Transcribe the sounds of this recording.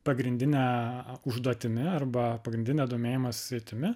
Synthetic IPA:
pɐɡɾʲɪnʲd̪ʲɪnʲɛʊʒd̪uɔt̪ʲɪmʲɪɐrbɐpɐɡɾʲɪnd̪ʲɪnʲesd̪oːmʲeːjɪmɐsʊ̥sʲɛɪt̪ʲɪmʲɪ

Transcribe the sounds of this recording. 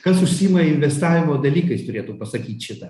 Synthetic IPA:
kɐsʊʃʲsʲiːmɐɪnʲʋʲɛst̪ɑːʋʲɪmoːd̪ɐlʲiːkɐɪst̪ʊɾʲeːt̪uːpɐsɐkʲiːt̪ʲʃʲɪt̪ɐ

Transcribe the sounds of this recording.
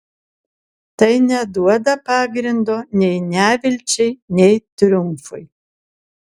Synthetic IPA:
t̪ɐjnʲɛd̪uɔd̪ɐpɑːɡɾʲɪnd̪oːnʲɛjnʲæːʋʲɪlʲt͡ʃʲɛjnʲɛjt̪ɾʲʊmfʊ̰j

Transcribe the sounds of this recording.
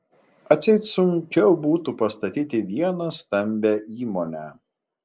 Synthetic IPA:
ɐt̪sʲɛɪt̪sʊŋʲkʲɛʊbuːt̪upɐst̪ɐt̪ʲiːt̪ʲɪʋʲiɛnɐst̪ɐmʲbʲɛiːmoːnʲæː

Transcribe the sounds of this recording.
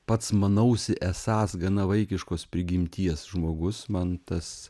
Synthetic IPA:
pɐt̪smɐnɐʊsʲɪʔɛsɑːsɡɐnɐʋɐɪkʲɪʃkoːspʲɾʲɪɡʲɪmʲt̪ʲiɛsʒmoːɡʊsmɐnt̪ɐs

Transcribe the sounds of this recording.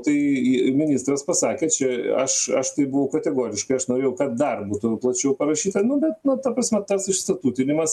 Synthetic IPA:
t̪ɐɪmʲɪnʲiːst̪ɾɐspɐsɑːkʲeːt͡ʃʲɛɐ̰ʃɐ̰ʃt̪ɐɪbʊʋɐʊkɐt̪ʲɛɡoːɾʲɪʃkɐɪɐʃnoːɾʲeːjɛʊkɐt̪̚d̪ɐrbuːt̪ʊplˠɐt͡ʃʲɛʊpɐɾɐʃʲiːt̪ɐnʊbʲɛt̪nʊt̪ɐpɾɐsʲmʲɛt̪ɐsɪʃst̪ɐt̪uːt̪ʲɪnʲɪmɐs

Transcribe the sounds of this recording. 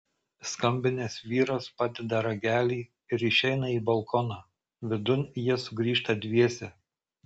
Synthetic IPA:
skɐmʲbʲɪnʲeːsʋʲiːɾospɑːd̪ʲɛd̪ɐɾɐɡʲæːlʲiː | ɪɾɪʃʲɛɪnɐiːbɐlˠkʰɔːnɑː | ʋʲɪd̪ʊnʲjiɛsʊɡɾʲiːʃt̪ɐd̪ʲʋʲiɛsʲɛ

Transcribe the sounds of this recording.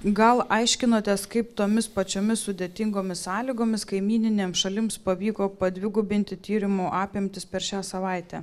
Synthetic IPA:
ɡɐlˠʔɐɪʃʲkʲɪnoːt̪ʲɛskɐɪpt̪oːmʲɪspɐt͡ʃʲoːmʲɪssʊd̪ʲeːt̪ʲɪŋɡoːmʲɪssɑːlʲiɡoːmʲɪskɐɪmʲiːnʲɪnʲeːmsʃɐlʲɪmspɐʋʲiːkoːpɐd̪ʲʋʲɪɡʊbʲɪnʲt̪ʲɪt̪ʲiːɾʲɪmuːʔɑːpʲɪmʲt̪ʲɪspʲɛɾʃʲæːsɐʋɐˑɪt̪ʲɛː

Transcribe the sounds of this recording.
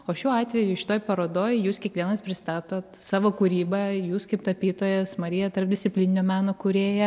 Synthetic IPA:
oːʃʲuːɑːt̪ʲʋʲɛjʊʃʲɪ̥t̪oːjpɐɾoːd̪oːjjuːskʲiɛkʋʲiɛnɐspʲɾʲɪst̪ɑːt̪oːt̪sɑːʋoːkuɾʲiːbɐjuːskɐɪp̚t̪ɐpʲiːt̪oːjɛsmɐɾʲɪjɛt̪ɐrp̚d̪ʲɪsʲt͡s̪ʲɪpʲlʲinʲnʲoːmʲæːnoːkʊɾʲeːjɛ

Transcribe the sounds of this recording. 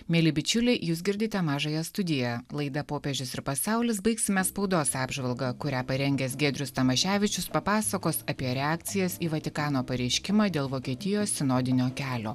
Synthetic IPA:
mʲeːlʲɪbʲɪt͡ʃʲʊlʲɛjuːsɡʲɪɾʲd̪ʲɪt̪ʲɛmɑːʒɑjɛst̪ʊd̪ʲɪjɛlˠɐɪd̪ɐpoːpʲeʒʲʊsɪɾpɐsɑˑʊlʲɪs̬bɐɪksʲɪmʲɛspɐʊd̪oːsɑːbʒʋɐlˠɡɐkʊɾʲæːpɐɾʲɛŋʲɡʲɛsɡʲeːd̪ʲɾʲʊst̪ɐmɐʃʲæːʋʲɪt͡ʃʲʊspɐpɑːsɐkoːsɐpʲiɛɾʲɛɑːk̚t̪sʲɪjɛsiːʋɐt̪ʲɪkɑːnoːpɐɾʲɛɪʃʲkʲɪmɑːd̪ʲeːlˠʋoːkʲiɛt̪ʲɪjoːsʲsʲɪnoːd̪ʲɪnʲoːkʲæːlʲo̰ː

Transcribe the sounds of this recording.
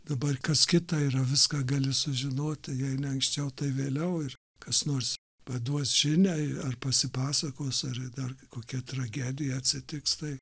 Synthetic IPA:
d̪ɐbɐrkɐskʲɪt̪ɑiːɾɐʋʲɪskɑːɡɑːlʲɪsʊʒʲɪnoːt̪ʲɪjɛɪnʲɛɐŋksʲt͡ʃʲɛʊt̪ɐɪʋʲeːlʲɛʊɪr | kɐsnoːrs | pɐd̪uɔsʒ̥ʲɪnʲɛɪɐrpɐsʲɪpɑːsɐkoːsɐrd̪ɐrkoːkʲɛt̪rɐɡʲæːd̪ʲɪjɛɐtʲsʲɪt̪ʲɪkst̪ɐɪ

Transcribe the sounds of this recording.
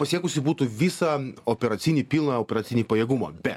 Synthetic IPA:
pɐsʲiɛkʊsʲɪbuːt̪uːʋʲisɐoːpʲɛɾɐt̪sʲinʲipʲiːlˠnɐoːpʲɛɾɐt̪sʲinʲipɐjɛːɡumɐ̰bʲɛt̪

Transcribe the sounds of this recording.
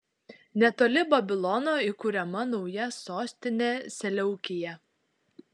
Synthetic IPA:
nʲɛt̪oːlʲɪbɐbʲɪlˠɔnoːiˑkuːɾʲɛmɐnɒʊjɛsoːsʲt̪ʲɪnʲesʲɛlʲɛʊkʲɪjɛ

